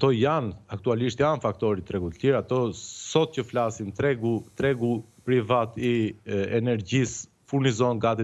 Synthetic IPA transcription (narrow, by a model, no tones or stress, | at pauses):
at̪ɔjanak̚t̪ualiʃt̪janfakt̪ɔɾit̪ɾɛɡut̪ə̥liɾat̪ɔsɔt̪̚cəflasint̪ɾɛɡut̪ɾɛɡupɾivat̪iɛnɛɾɟis | fuɾnizɔnɡat̪i